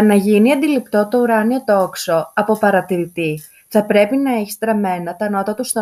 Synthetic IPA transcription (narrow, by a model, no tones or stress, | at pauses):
nɐʝiniɐnd̪ilipt̪o̞t̪o̞uɾɐnio̞t̪o̞kso̞ɐpo̞pɐɾɐt̪iɾit̪i | θɐpɾe̞pinɐeçist̪ɾɐme̞nɐt̪ɐno̞t̪ɐt̪ust̪o